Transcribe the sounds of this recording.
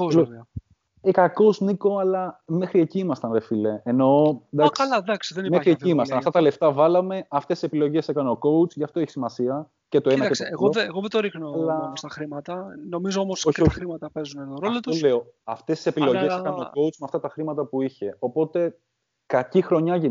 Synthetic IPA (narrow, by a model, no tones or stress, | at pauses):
olo | ekɐko̞sniko̞ɐlɐme̞xɾieciimɐst̪ɐnðefile̞eno̞d̪ɐksɐlɐd̪ɐksiðenimexɾieciimɐst̪ɐnɐft̪ɐt̪ɐle̞ft̪ɐvɐlɐme̞ɐft̪esise̞pilo̞ʝe̞sekɐneoko̞ut͡sʝɐft̪o̞eçi̥simɐsiɐ | cet̪o̞enɐɐeseɣoɣoðet̪oɾixnolɐst̪ɐxɾimɐt̪ɐno̞mizoomosoçoɾimɐt̪ɐpezunenoɾolot̪ueoɐft̪e̞sise̞pilo̞ʝesekɐnoko̞ut͡smeɐft̪ɐt̪ɐxɾimɐt̪ɐpuiçe̞o̞po̞t̪e̞ | kɐcixɾo̞ɲɐʝin